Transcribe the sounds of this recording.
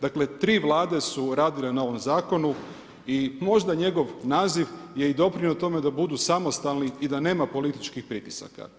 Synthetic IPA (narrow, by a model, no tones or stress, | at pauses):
d̪akle̞t̪ɾiːʋlˠaːd̪e̞suɾaːd̪ile̞nao̞ʋo̞mzaːko̞nu | imo̞ʒd̪aɲe̞ɡo̞ʋnaːziʋje̞id̪o̞pɾiɲot̪o̞me̞d̪abud̪uːsamo̞st̪alniːd̪ane̞ːmapo̞lit̪it͡ʃkixpɾit̪isa̰ka̰